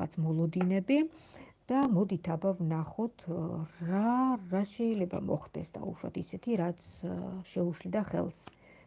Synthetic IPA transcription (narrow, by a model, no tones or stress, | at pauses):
a̰t̪sʰmɔlˠɔd̪inɛbid̪̥amɔd̪it̪ʰabavnaχɔt̪ʰɾaɾaʃɛilɛba̰mɔ̰χd̪ɛ̰sd̪a̰ṵʃwa̰t̪ʰisɛt̪ʰiɾat̪sʰʃɛuʃlid̪aχɛ̰lˠs